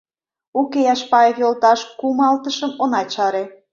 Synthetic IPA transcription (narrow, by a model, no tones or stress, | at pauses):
ukejɑʃpɑekolt̪ɑʃkumɑlt̪əʃəmonɑt͡ɕɑɾe